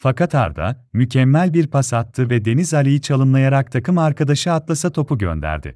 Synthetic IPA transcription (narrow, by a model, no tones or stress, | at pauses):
fakat̪ʰa̰ɾd̪a̰ | mycʰɛmːælʲbiɾpʰasat̪ʰːɯvɛd̪e̞nizalʲijit͡ʃʰalˠɯmlˠajaɾak̚t̪ʰakɯmaɾkad̪aʃɯat̪lˠasat̪ʰo̞pʰuɟø̰nd̪æ̰ɾd̪ɪ̰